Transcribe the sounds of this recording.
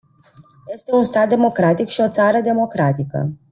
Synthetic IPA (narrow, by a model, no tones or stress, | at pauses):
je̞st̪e̞unst̪at̪̚d̪e̞mo̞kɾat̪ikʃio̞t̪saɾəd̪e̞mo̞kɾat̪ikə̰